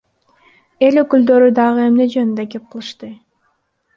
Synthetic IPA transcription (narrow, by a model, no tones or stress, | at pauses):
e̞lø̞kyld̪ø̞ɾyd̪ɑʁɯe̞mne̞d͡ʒønynd̪ekep̚qʰɯlˠɯʃt̪ɯ